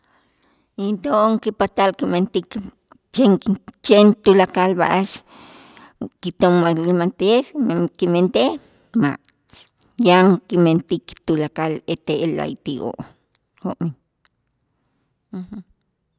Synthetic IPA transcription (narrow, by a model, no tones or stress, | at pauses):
ent̪oŋkipat̪alkiment̪ik | t͡ʃeŋt͡ʃent̪ulakalba̰ʔaʃ | kit̪omːalimant̪esmkiment̪e | ma̰ʔ | jaŋkiment̪ikt̪ulakalet̪eela̰jt̪iʔo̰ʔ | hoʔmin | h̩